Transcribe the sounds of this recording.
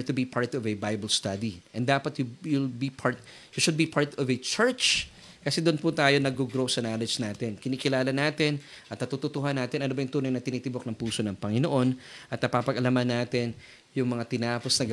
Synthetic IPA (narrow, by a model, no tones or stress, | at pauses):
t̪ːʊbipʰaɹt̪ɔvɛbajbɐlst̪ad̪iʔɛnd̪aːpɐt̪jujulbipʰaɹt̪̚ | juʃʊd̪̚bipʰaɹt̪ɔvɛt͡ʃɛɹt͡ʃ | kɐsɛd̪ʊnpʊt̪aːjo̞nɐɡoɡɾosɐnaːlɛd͡ʒnaːt̪ɪnkɪniːkɪlaːlɐnaːt̪ɪn | ʔɐt̪̚nɐt̪ut̪ʊt̪ʊɦanːaːt̪ɪnɐnobɐjʊŋt̪uːnɐŋnɐt̪ɪniːt̪ɪbok̚nɐŋpuːso̞nɐŋpɐŋɪnoʔo̞nʔɐt̪nɐpaːpɐɡʔɐlamɐnːaːt̪ɪn | jʊŋmɐŋat̪ɪnaːposnɐɡ